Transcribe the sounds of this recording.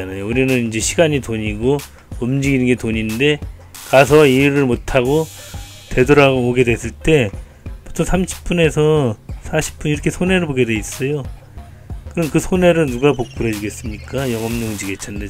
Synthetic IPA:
anajouɾinɯnind͡ʑe̞ɕʰiɡaɲitoɲiɡo | ʌmd͡ʑiɡinɯnɡe̞toɲinde̞ | kas̬ʰʌiɾɯɭmotʰaɡo | te̞doɾaɡooɡe̞dwe̞s͈ɯɭt͈e̞ | pu̥tʰoŋsʰamɕʰi̥p̚p͈une̞sʰʌsʰaɕʰi̥p̚p͈uniɾʌkʰe̞sʰone̞ɾɯɭboɡe̞dwe̞is͈ʌjo | kɯɾʌnkɯsʰone̞ɾɯnnuɡapok̚p͈uɾʌd͡ʑiɡe̞s͈ɯmɲik͈ajʌŋɦʌmɲoŋd͡ʑiɡe̞t͡ɕ͈ʰannde

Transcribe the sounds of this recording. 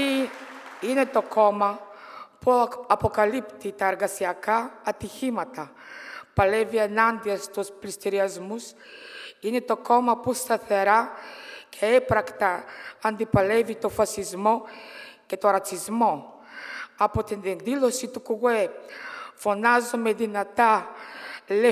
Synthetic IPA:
ine̞t̪o̞ko̞mɐpuɐpo̞kɐlipt̪it̪ɐeɾɣɐsiɐkɐːt̪içimɐt̪ɐ | pɐlevienɐnd̪iɐst̪usplist̪iɾiɐzmus | ine̞t̪o̞ko̞mɐpust̪ɐθe̞ɾɐcʰe̞epɾɐkt̪ɐːnd̪ipɐlevit̪o̞fɐsizmo̞ce̞t̪oɾɐt͡sizmo̞ | ɐpot̪inend̪ilosit̪ukuɣue | fo̞nɐzomeðinɐt̪ɐ | le

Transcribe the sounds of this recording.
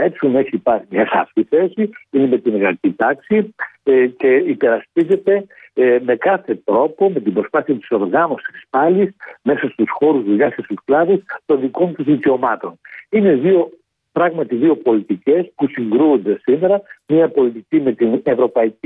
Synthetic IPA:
esiuneçiːpɐɾimɲɐɣɐ̰ft̪iθe̞siineme̞t̪imeɣɐcit̪ɐksi | ce̞ipe̞ɾɐspize̞t̪e̞ | me̞kɐθe̞t̪ɾo̞po̞me̞t̪ibɾo̞spɐθiɐt̪i̥so̞ɾɣɐno̞si̥si̥spɐlisme̞sɐst̪usxo̞ɾuzðʎɐscest̪usklɐðust̪o̞nðiko̞nt̪uzðiceo̞mɐt̪o̞nine̞ðio̞ | pɾɐɣmɐt̪iðio̞po̞lit̪ice̞spusiŋɡɾund̪e̞sime̞ɾɐmɲɐpo̞lit̪icime̞t̪ine̞vɾo̞pɐici

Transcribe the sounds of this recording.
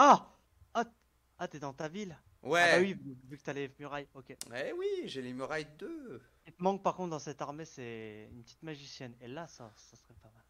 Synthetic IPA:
a | a | at̪yed̪ɑ̃t̪avil | wɛbawivyvykə̥t̪yalemyʁajokʲeɛwiʒelemyʁajd̪ø | it̪əmɑ̃k̚paʁkɔ̃t̪d̪ɑ̃sɛt̪aʁmesɛy̰npə̥t̪it̪maʒisjɛnelasasasχɛpamal

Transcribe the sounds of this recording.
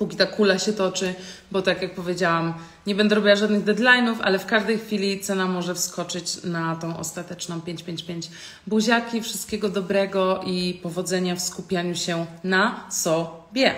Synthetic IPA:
pukʲit̪akulaɕɛt̪ɔt͡ʂɘbɔt̪akʲjak̚pɔvʲjed͡ʑawam | ɲɛbɛnd̪ɛɾɔbʲiwaʐad̪nɘɣd̪ɛd̪lajnufa̰lɛfkaʐd̪ɛjxfʲilʲit̪sɛnamɔʐɛfskɔt͡ʂɘt͡ɕnat̪ɔ̃w̃ʔɔ̰st̪at̪ɛt͡ʂnɔ̃w̃pʲjeɲt͡ɕpʲjeɲt͡ɕpʲjeɲd͡ʑ | buʑakʲifʂɨ̥st̪̚kʲɛɡɔd̪ɔbɾɛɡɔʔipɔvɔd̪zɛɲafskupʲjaɲuɕɛnasɔbʲjɛ

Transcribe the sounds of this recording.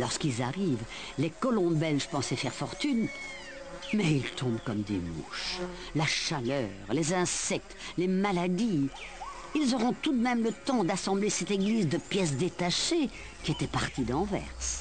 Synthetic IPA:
lɔʁskilza̰ʁiv | lekɔlɔ̃bɛlʒpɑ̃sɛfɛʁfɔʁt̪yn | mɛilt̪ʰɔ̃bkɔmd̪ḛmṵʃ | laʃalœːʁlezɛ̃sɛk̚t̪lemalad̪i | ilzɔʁɔ̃t̪ud̪mɛmlət̪ɑ̃d̪asɑ̃blesɛt̪eɡlizd̪əpjɛs̬d̪et̪aʃe | kʲiɛt̪ɛpaʁt̪id̪ɑ̃vɛ̰ʁs

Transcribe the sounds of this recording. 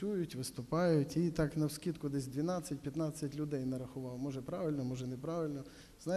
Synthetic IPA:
ujʊtʲʋɪst̪ʊpɑjʊtʲit̪ɑknɐwsʲkʲit̪kʊd̪ɛsʲd̪ʋʲinɑt͡sʲːɐtʲpjɐt̪nɑt͡sʲːɐtʲlʲʊd̪ɛjnɐɾɐxʊʋɑwmɔʒɛpɾɑʋɪlʲnɔmɔʒɛnɛpɾɑʋɪlʲnɔ | znɑ

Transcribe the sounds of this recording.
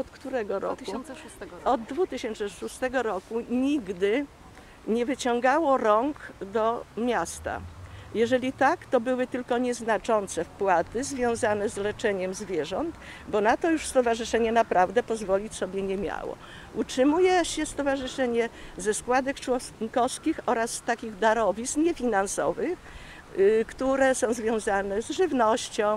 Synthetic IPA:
ɔt̪kt̪uɾɛɡɔɾɔ̰ku | ɔd̪d̪vut̪ɘɕɛnt͡ʂɛʂust̪ɛɡɔɾɔkuɲiɡd̪ɘ | ɲɛvɘt͡ɕɔ̃ŋɡawɔɾɔŋkd̪ɔmʲjast̪a̰jɛʐɛlʲit̪akt̪ɔbɘwɘt̪ɘlkɔɲɛznat͡ʂɔnt̪sɛfpwat̪ɘzvʲjɔ̃w̃zanɛzlɛt͡ʂɛɲɛmzvʲjɛʐɔnt̪ | bɔnat̪ɔjuʂst̪ɔvaʐɘʂɛɲɛnapɾavd̪ɛpɔzvɔlʲit͡ɕsɔbʲjɛɲɛmʲja̰wɔ̰ | ʔutʂɘmujɛɕɛst̪ɔvaʐɘʂɛɲɛzɛskwad̪ɛkt͡ʂwɔŋkɔfskʲixɔɾasːt̪akʲiɣd̪aɾɔvʲisɲɛfʲinansɔ̰vɘx | kt̪uɾɛsɔ̃w̃zvʲjɔ̃w̃zanɛzʐɘvnɔɕt͡ɕɔ̃w̃

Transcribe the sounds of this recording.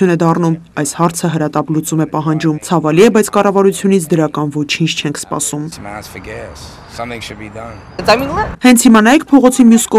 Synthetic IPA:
junɛd̪ɑrnumɑjshɑɾt͡sʰəɦəɾɑt̪ɑplut͡sumɛpɑɦɑnd͡ʒumt͡sʰɑvɑliɛbɑjt͡sʰkɑrɑvɑɾut͡sʰjunit͡sʰd̪əɾɑkɑnvɔt͡ʃʰint͡ʃʰt͡ʃʰɛŋkʰspɑ̰sumsmæ̰sfəɡɛ | sʌ̃mθɪ̃ŋʃɨd̚bidʌ̃n | əajmĩnlɛhɛnt͡sʰhimɑnɑjɛkʰpʰɔʁɔt͡sʰimjuskɔ

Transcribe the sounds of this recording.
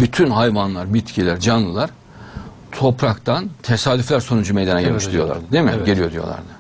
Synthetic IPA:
byt̪ʰynɦajvanlˠaɾbit̪cʰilʲæɾd͡ʒanlˠɯlˠaɾ̥ | t̪ʰo̞pɾakt̪ʰant̪ʰesaːd̪yflʲæɾso̞nud͡ʒumejd̪enaɟilʲmiʃt̪d̪ɾijo̞lˠa̰ɾd̪ɯd̪emiɟelʲijod̪ijolˠa̰ɾd̪ɯ

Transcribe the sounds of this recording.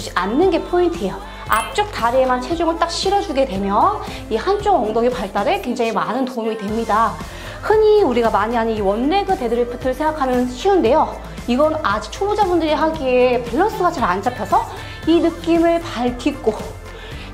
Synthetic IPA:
ianːɯnɡe̞pʰointʰijʌ | a̰p̚t͡ɕ͈ʌk̚t͈aɾiemant͡ɕʰe̞d͡ʑoŋɯɭt͈ak̚ɕ͈ʰiɾʌd͡ʑuɡe̞dwe̞mjʌn | ihant͡ɕ͈oŋʌŋdʌɡipaɭt͈aɾe̞kwe̞ŋd͡ʑaŋimanɯntoumitwe̞mɲida | hɯɲiuɾiɡamaɲiɦaɲiiwʌnːe̞ɡɯte̞dɯɾɯpʰɯtʰɯɭsʰe̞ŋɡakʰamjʌnɕʰiunde̞jo | iɡʌnad͡ʑi̥t͡ɕʰobud͡ʑabundɯɾiɦaɡiepaɭːʌs͈ɯɡat͡ɕaɾant͡ɕʰapʰjʌsʰʌ | inɯk͈imɯɭpaɭtʰik͈o

